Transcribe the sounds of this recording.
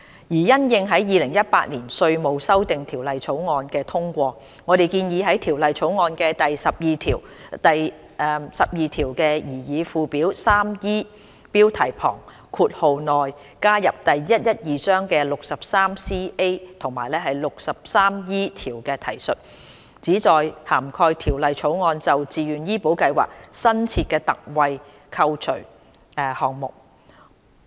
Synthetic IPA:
jiː˨˩jɐ˥njɪ˧ŋɦɐ˨˥jjiː˨˧lɪ˨˩ŋjɐ˥t̚paː˧t̚niː˨˩nsɵ˧ɥmo˨˧wsɐ˥wt̪ɪ˨ŋt̪ʰiː˨˩wlɐ˨jt͡sʰo˨˥wŋɔː˧nkɛː˧t̪ʰʊ˥ŋkʷɔː˧ | ŋɔː˨˧ɾe˨jkiː˧njiː˨˧ɦɐ˨˥jt̪ʰiː˨˩wlɐ˨jt͡sʰo˨˥wŋɔː˧nkɛː˧t̪ɐ˨jsɐ˨p̚jiː˨˧t̪ʰiː˨˩w | t̪ɐ˨j | sɐ˨p̚jiː˨˧t̪ʰiː˨˩wkɛː˧jiː˨˩jiː˨˧fuː˧piː˨˥wsaː˥mjiː˥ | piː˥wt̪ʰɐ˨˩jpʰɔ̰ː˨˩ŋ | kʰuː˧t̚ho˨wnɔː˨j | kaː˥jɐ˨p̚t̪ɐ˨jːɐ˥t̚jɐ˥t̚jiː˨˩sœː˥ŋkɛː˧lʊ˨k̚sɐ˨p̚saː˥msiː˥ʔe˥jt̪ʰʊ˨˩ŋmaː˨˩jlɛː˥ɦɐ˨jlʊ˨k̚sɐ˨p̚saː˥mjiː˥t̪ʰiː˨˩wkɛː˧t̪ʰɐ˨˩jsɵ˨t̚ | t͡siː˨˥t͡sɔː˨jhaː˨˩mkʰɔː˧jt̪ʰiː˨˩wlɐ˨jt͡ʃʰo˨˥wŋɔː˧nt͡sɐ˨wt͡siː˨jyː˨˩njiː˥po˨˥wkɐ˧jwa̰ː˨k̚sɐ˥nt͡sʰiː˧t̚kɛː˧t̪ɐ˨k̚wɐ˨j | kʰɐ˧wt͡ʃʰɵ˨˩ɥ | hɔː˨˩ŋmʊ̰˨k̚

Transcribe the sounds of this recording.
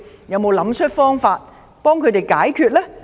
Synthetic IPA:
jɐ˨˧wmo˨˧wlɐ˨˥mt͡ʃʰɵ˥t̚fɔː˥ŋfaː˧t̚ | pɔː˥ŋkʰɵ˨˧˥t̪e˨jkaː˨˥jkʰyː˧t̚lɛː˥

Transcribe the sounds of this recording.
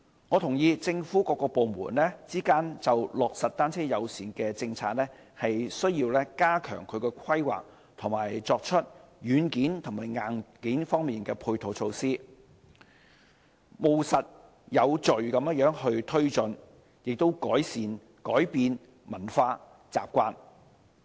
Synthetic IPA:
ŋɔ˨˧t̪ʰʊ˨˩ŋjiː˧t͡sɪ˧ŋfuː˨˥kɔː˧kːɔː˧po˨wmuː˨˩nlɛː˥t͡siː˥kaː˥nt͡sɐ˨wlʊ˨k̚sɐ˨t̚t̪aː˥nt͡sʰɛː˥jɐ˨˧wsiː˨˩nkɛː˧t͡sɪ˧ŋt͡sʰaː˧t̚lɛː˥ | hɐ˨jsɵ˥ɥjiː˧wlɛː˥kaː˥kʰœ̰ː˨˩ŋkʰɵ˨˧ɥkɛː˧kʰɐ˥jwa̰ː˨k̚ | t̪ʰʊ˨˩ŋmaː˨˩jt͡sɔː˧k̚t͡ʃʰɵ˥t̚jyː˨˧˥nkiː˨˥nt̪ʰʊ˨˩ŋmaː˨˩jŋaː˨nkiː˨˥nfɔː˥ŋmiː˨nkɛː˧pʰuː˧jt̪ʰo˨˧wt͡sʰo˧wsiː˥ | mo˨wsɐ˨t̚ | jɐ˨˧wt͡ʃɵ˨ɥkɐ˨˥mjɐ˥jœː˨˥ŋhɵ˧ɥt̪ʰɵ˥ɥt͡sɵ˨n | jɪ˨k̚t̪o˥wkɔː˨˥jsiː˨n | kɔ̰ː˨˥jpiː˧n | mɐ˨˩nfaː˧ | t͡sa̰ː˨p̚kʷaː˧n

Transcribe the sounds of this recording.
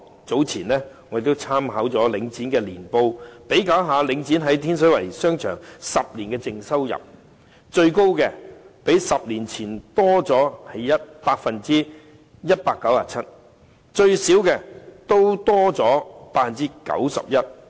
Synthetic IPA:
t͡so˨˥wt͡sʰiː˨˩nlɛː˥ŋɔ˨˧˥de˨˧˩t̪o˥wt͡sʰaː˥mhɐ˨˥wt͡sɔː˨˥lɪ˨˧˥ŋt͡siː˨˥nkɛː˧liː˨˩npo˧wpe˨˥jkaː˨˥wɦaː˨˧lɪ˨˧˥ŋt͡siː˨˥nɦɐ˨˥jt̪ʰiː˥ns̬ɵ˨˥ɥwɐ̰˨˩jsœː˥ŋt͡ʃʰœ̰ː˨˩ŋsɐ˨p̚liː˨˩nkɛː˧t͡sɪ˧ŋsɐ˥wjɐ̰˨p̚ | t͡ʃɵ˧ɥko˥wkɛː˧pe˨˥jsɐ˨p̚liː˨˩nt͡sʰiː˨˩nt̪ɔː˥t͡sɔː˨˥hɐ˨jjɐ˥t̚paː˧k̚fɐ˨nt͡siː˥ | jɐ˥t̚paː˧kːɐ˨˥waː˨t͡sʰɐ˥t̚ | t͡ʃɵ˧ɥsiː˨˥wkɛː˧t̪o˥wt̪ɔː˥t͡sɔː˨˥paː˧t̚fɐ˨nt͡siː˥kɐ̰˨˥wsɐ̰˨p̚jɐ˥t̚

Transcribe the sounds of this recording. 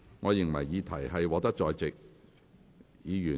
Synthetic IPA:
ŋɔː˨˧jɪ˨˩ŋmɐ̰˨˩jːiː˨˧t̪ʰɐ˨˩jhɐ˨jwɔː˨˧˥t̪ɐ˥k̚t͡ʃɔː˧jt͡sɪ˨k̚ | jiː˨˧jyː˨˩

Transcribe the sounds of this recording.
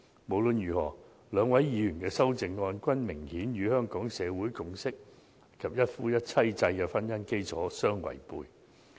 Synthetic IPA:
mo˨˩wlɵ˨˧njyː˨˩hɔː˨˩ | lœː˨˧ŋwɐ˨˥jjiː˨˧jyː˨˩nkɛː˧sɐ˥wt͡sɪ˨˧ŋːɔː˧nkʷɐ˥nmɪ˨˩ŋhiː˨˥nɥyː˨˧hœː˥ŋkɔː˨˥ŋsɛː˨˧wuː˨˥jkʊ˧ŋsɪ˥k̚ | kʰɐ˨p̚jɐ˥t̚fuː˥jɐ˥t̚t͡sʰɐ˥jt͡sɐ˧jkɛː˧fɐ˥njɐ˥nke˥jt͡sʰɔ̰ː˨˥sœː˥ŋwɐ̰˨˩jpuː˧j

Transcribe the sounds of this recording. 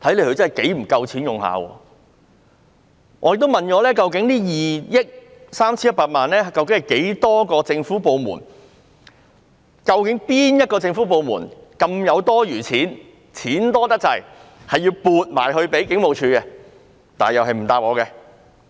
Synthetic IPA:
t̪ʰɐ˨˥jle˨˧˥hɵ˧t͡sɐ˥hɐ˨jke˨˥jm̩˨˩kɐ˧wt͡sʰiː˨˥njʊ˨˩ŋha̰ː˨˧wɔ̰ː˧ | ʔɔː˨˧jk̚t̪o˥wmɐ˨nkɔː˨˧lɛː˥kɐ˧wk̬ɪ˨˥ŋliː˥jiː˨jɪ˥k̚saː˥mt͡sʰiː˥jɐ˥paː˧t̚maː˨nlɛː˥˨kɐ˧wkɪ˨˥ŋhɐ˨˩jke˨˥jt̪ɔː˥kɔː˧t͡sɪ˧ŋfuː˨˥po˧wmṵː˨˩n | kɐ˧wkɪ˨˥ŋpiː˥njɐ˥t̚kɔː˧t͡sɪ˧ŋfuː˨˥p̬o˨˧wmṵː˨˩nkɐ˧mjɐ˨˧wt̪ɔː˥jyː˨˩t͡sʰiː˨˥n | t͡sʰiː˨˥nt̪ɔː˥t̪ɐ˥t͡sɐ̰˨˩jhɐ˨jːi˧wpuː˨t̚ma̰ː˨˩jhɵ˧ɥpe˨˥jkɪ˨˥ŋmo˨wt͡ʃʰyː˧kɛ˧ | t̪aː˨jɐ˨wɦɐ˨jm̩˨˩t̪aː˧p̚ɔː˨˧kɛ˧

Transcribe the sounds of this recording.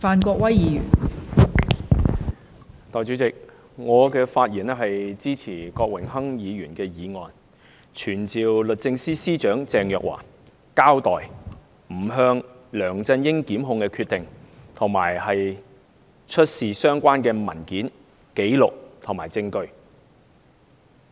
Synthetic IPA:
faː˨nkɔː˧k̚wɐ˥jjiː˨˧jyː˨˩n | t̪ɔː˨jt͡ʃyː˨˥t͡sɪ˨k̚ | ŋɔː˨˧kɛː˧faː˧t̚jiː˨˩nɛ˥ɦɐ˨jt͡siː˥t͡sʰiː˨˩kɔː˧k̚wɪ˨˩ŋɦɐ˥ŋjiː˨˧jyː˨˩nkɛː˧jiː˨˧ŋɔː˨n | t͡ʃʰyː˨˩nt͡siː˨wlɵ˨t̚t͡sɪ˧ŋsiː˥siː˥t͡ʃœː˨˥ŋt͡sɛː˨ŋjœː˨k̚wa̰ː˨˩ | kaː˥wt̪ɔː˨j | m̩˨˩ɦœː˧ŋ | lœː˨˩ŋt͡sɐ˧njɪ˥ŋkiː˨˥mɦʊ˧ŋkɛː˧kʰyː˧t̚t̪ɪ˨ŋt̪ʰʊ˨˩ŋmaː˨˩jhɐ˨j | t͡ʃʰɵ˥t̚siː˨sœː˥ŋkʷaː˥nkɛː˧mɐ̰˨˩nkiː˨˥n | ke˨˥jlʊ˨k̚t̪ʰʊ˨˩ŋmaː˨˩jt͡sɪ˧ŋkɵ˧ɥ

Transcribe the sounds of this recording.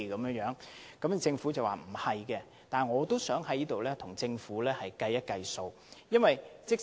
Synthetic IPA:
kɐ˨˧˦mjœː˧˥ŋjœː˨˥ŋkɐ˨˥mt͡sɪ˧ŋfu˨˥t͡sɐ˨waː˨˩m̩˨˩hɐ˨jkɛ˧ | t̪aː˨nŋɔː˨˧t̪o˥wsœː˨˥ŋɦɐ˨˥jiː˥t̪o˨wlɛː˥t̪ʰʊ˨˩ŋt͡sɪ˧ŋfuː˨˥lɛː˥hɐ˨jkɐ˧jːɐ˥t̚kɐ˧jso˧w | jɐ˥nwɐ˨jt͡sɪ˥k̚

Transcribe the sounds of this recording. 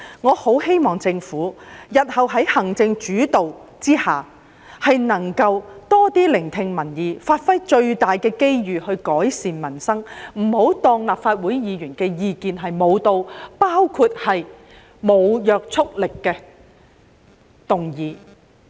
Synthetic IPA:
ŋɔː˨˧ho˨˥whe˥jmɔː˨˩ŋt͡sɪ˧ŋfuː˨˥jɐ˨t̚hɐ˨wɦɐ˨˥jhɐ˨˩ŋt͡sɪ˧ŋt͡ʃyː˨˥t̪o˨w | t͡siː˥haː˨˩ | hɐ˨jnɐ˨˩ŋkɐ˧wt̪ɔː˥t̪iː˥lɪ˨˩ŋt̪ʰɪ˧ŋmɐ˨˩njiː˨˧faː˧t̚fɐ˥jt͡ʃɵ˧ɥt̪aː˨jkɛː˧ke˥jjyː˨hɵ˧ɥkɔː˨˥jsiː˨˩nmɐ˨˩nsɐ˥ŋm̩˨˩ho˨˥wt̪ɔː˧ŋlaː˨p̚faː˧t̚wuː˨˥jjiː˨˧jyː˨˩nkɛː˧jiː˨˧kiː˧nɦɐ˨jmo˨˧wt̪o˧wpaː˥wkʰu˧t̚hɐ˨j | mo˨˧wjœː˨k̚t͡sʰʊ˥k̚lɪ˨kːɛː˧ | t̪ʊ˨ŋjiː˨˧

